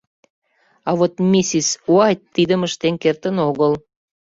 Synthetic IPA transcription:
ɑβot̪mʲisisuɑj̚t̪ːid̪əməʃt̪enkert̪ənoɣəl

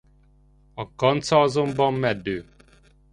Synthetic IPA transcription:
ɒkɒnt̪sɒɒzombɒmːɛd̪øː

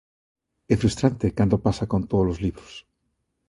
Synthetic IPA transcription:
efɾust̪ɾant̪ekand̪opasakont̪oðolozliβɾos

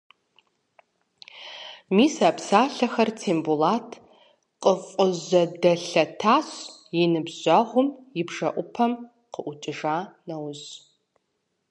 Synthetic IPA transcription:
miːsapʰsaːɬɐxɐrt͡sʰeːmbulaːtʰ | qʼəfʷʼʊʑɐdɐɬɐtʰaːɕ | jɪnɨbzʑʷɐʁʷʊmjɪbʐɐ̰ʔʷʊpʰɐm | qəʔʷʊt͡ʃʼɪʒaːnɐwz

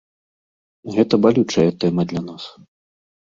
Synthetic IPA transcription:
ɣɛt̪ɐbalʲut͡ʂɐjɛt̪ɛmɐd̪lʲanas

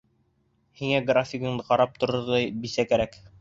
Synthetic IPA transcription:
hiŋæɡrafʲɪɡɤ̆ɴd̪ɤqɑɾɑp̚t̪ŏɾɤ̆ɾd̪ɑjbisækæɾæk

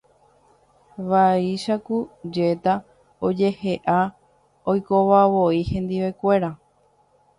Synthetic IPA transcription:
ʋaiʃakud͡ʒe̞t̪a | od͡ʒe̞he̞ʔa | ojkoʋaʋoihẽ̞nd̪iʋekʷe̞ɾa

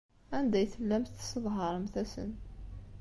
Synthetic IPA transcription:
ʕand̪æjθəlːæmθsəðˤɦɑɾˤmθæsə̰n

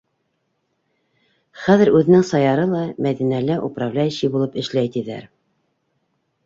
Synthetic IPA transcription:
χæðɘ̆ɾʉðɘ̆nɘŋsɑjɑɾɤlˠɑmæðinælæʔuprɑvlʲæjɘ̆ɕibulˠɤpɘ̆ʃlæjt̪iðæ̰ɾ

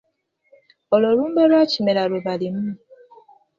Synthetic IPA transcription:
oloɾuːmbalwaːcimelaɾuβalimu

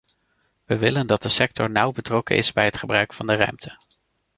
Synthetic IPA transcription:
ʋəʋɪləndɑt̚dəsɛk̚tɔɹnʌwbətrɔkə̰nʔɪ̰zbɛjɦətχəbrœɥkfɑndərœ̰ɥmtʰə̥

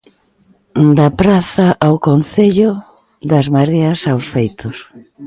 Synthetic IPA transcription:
d̪ɐpɾaθɐʔawkonθeʎʊ | ðɐzmaɾiɐsawsfejt̪ʊs

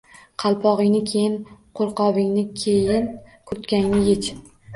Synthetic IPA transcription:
qʰɑlˠpʰɒʁɪŋnɪkʲʰe̞jɪnqʰolˠqɒvɪŋnɪkʲʰejɪnkʰʊɾt̪kʲaŋnɪjet͡ʃ

